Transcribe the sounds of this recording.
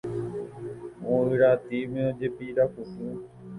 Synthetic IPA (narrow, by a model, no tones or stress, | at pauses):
ũːɪɾaːt̪iːmẽːod͡ʒeːpiːɾaːkʊsũː